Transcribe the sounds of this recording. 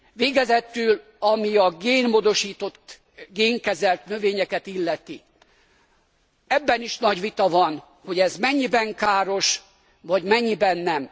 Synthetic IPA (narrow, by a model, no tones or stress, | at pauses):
ʋeːɡɛzɛt̪yl | ɒmiɒɡeːnmoːd̪o̞ʃiːt̪o̞t̪ː | ɡeːŋkɛzɛlt̪nøveːɲɛkɛt̪ilːɛt̪i | ɛbːɛniʃnɒɟʋit̪ɒvɒn | ho̞ɟɛzmɛɲːibɛŋkaːɾo̞ʃ | vɒɟmɛɲːibɛnːɛm